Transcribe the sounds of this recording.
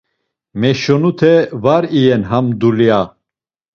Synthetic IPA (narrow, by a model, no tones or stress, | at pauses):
mɛʃɔnut̪ʰɛvaɾijɛnɦamd̪ulija